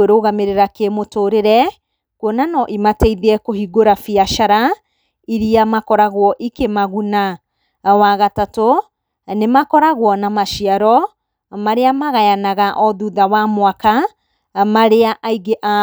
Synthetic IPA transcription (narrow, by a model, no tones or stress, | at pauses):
eɾoɣameɾeɾakemotoːɾeɾɛ | kwɔnanɔʔimatɛiðɛkohiɡoɾafiaʃaɾa | iɾiamakɔɾaɣwɔʔikemaɣuna | waɣatato | nemakɔɾaɣwɔnamaʃiaɾɔ | maɾeamaɣajanaɣaʔɔðuðawamowaka | maɾeaʔaiɡeʔa